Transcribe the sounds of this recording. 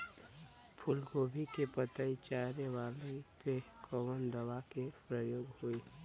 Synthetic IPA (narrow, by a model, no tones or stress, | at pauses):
pʰʊlɡoːbʱikepət̪ait͡ʃaɾeʋalekekʰɔʋənd̪əwakepɾəjoːɡhoi